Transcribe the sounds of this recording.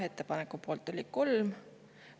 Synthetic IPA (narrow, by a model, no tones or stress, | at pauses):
e̞t̪ˑːe̞pɑnekːˑupo̞ːlt̪ːˑolʲi̥ko̞lm